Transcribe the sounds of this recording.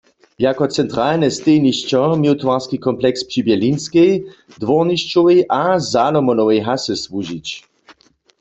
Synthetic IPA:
jakɔt͡sɛnt̪ʁalnɛst̪ejniʃt͡ɕɔmjot̪waʁskikɔmplɛkspʂibɛlinskej | d̪ʋɔʁniʃt͡ʃɔwejʔazalɔmɔnɔwɛjɦasɛswuʒit͡ɕ

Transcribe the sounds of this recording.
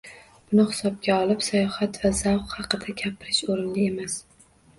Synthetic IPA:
b̥ʊnɪhɪ̥sɒb̚ɡʲaɒlˠɪpsajɒhat̪vazawqhɑqɨd̪akʲʰapʰɪɾɪʃoɾɪnlɪemas

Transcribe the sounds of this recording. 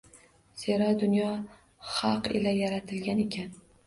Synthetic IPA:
seɾɒd̪ʊnjɒ | χɑqɪ̰lajaɾat̪ʰɪlɡʲane̞kʲʰan

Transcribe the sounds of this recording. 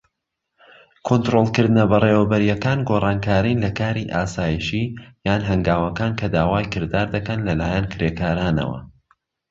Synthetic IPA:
kʰont̪ɾoːlˠkɨɾd̪ɨnɐbɐrewɐbɐɾijɛkaːnɡorˤɑːnkʰaːɾinlɐkaːɾiʔaːsaːjiʃijaːnɦɐŋɡaːwɐkaːnkʰɐd̪aːwaːjkɨɾd̪aːɾd̪ɐkɐnlɐlaːjɛnkʰɾeːkʰaːɾaːnɐ̰wɐ̰

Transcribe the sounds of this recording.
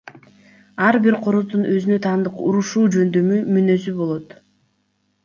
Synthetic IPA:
ɑɾbiɾqʰo̞ɾoɾd̪unʔø̞zynø̞t̪ʰɑːnd̪ɯquɾuʃuːd͡ʒø̞nd̪ø̞mymynø̞sybo̞lˠo̞t̪

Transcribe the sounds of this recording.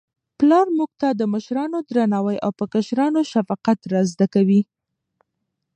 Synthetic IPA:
plɑɾmuɡ̚t̪ad̪əməʃɾɑnod̪ɾanɑwajawpəkaʃɾɑnoʃafɑqat̪ɾazd̪akawi

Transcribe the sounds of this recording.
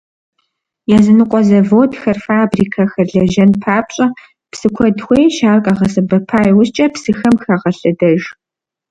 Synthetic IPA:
jaːzɨnɨqʷʼɔzɐvoːdxɐrfaːbriːkʰɐxɐrɮɐʒɐnpʰaːpɕʼɐ | psɨkʷʰɔdxʷejʃaːrkʼɐʁɐsɐbɐpʰaːjwʊst͡ʃʼɐpsɨxɐmxɐʁɐɬɨdɐʒ

